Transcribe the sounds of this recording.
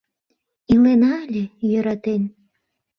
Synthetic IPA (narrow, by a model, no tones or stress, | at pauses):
ilenɑlʲejø̆ɾɑt̪enʲ